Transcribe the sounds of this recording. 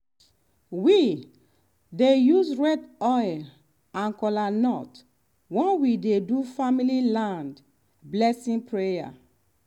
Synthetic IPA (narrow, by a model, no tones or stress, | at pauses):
wi | dejusɹɛdɔjl | ãnkɔlanɔt | wɔ̃nwidedufamililãnd | blɛsĩŋpɹeja̰